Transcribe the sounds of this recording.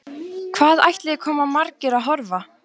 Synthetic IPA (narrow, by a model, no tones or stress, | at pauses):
kʰv̥aːða̰jht̪lɪɪkʰɔːmamaɾcɪɾaðɦɔɾva